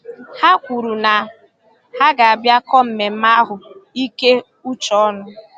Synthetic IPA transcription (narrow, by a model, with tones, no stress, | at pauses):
ha˦kʷu˨ɾu˨na˨ | ha˦ɡa˨a˨bja˦kɔ˦m̩˨me˨m̩˦ma˦ɦʊ˨i˦ke˦ | u˦t͡ʃɔ˦ɔ˦nʊ˦